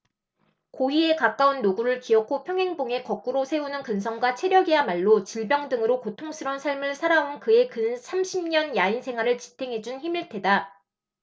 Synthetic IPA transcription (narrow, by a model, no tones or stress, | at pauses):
koie̞kak͈aunːoɡuɾɯɭkiʌkʰopʰjʌŋɦe̞ŋboŋe̞kʌk̚k͈uɾosʰe̞unɯnkɯnsʰʌŋɡwat͡ɕʰe̞ɾjʌɡiamaɭːot͡ɕiɭbjʌŋdɯŋɯɾokotʰoŋsʰɯɾʌnsʰaɭmɯɭsʰaɾaonkɯe̞kɯnsʰamɕʰimɲʌnjainsʰe̞ŋɦwaɾɯɭt͡ɕi̥tʰe̞ŋɦe̞d͡ʑunçimiɭtʰe̞da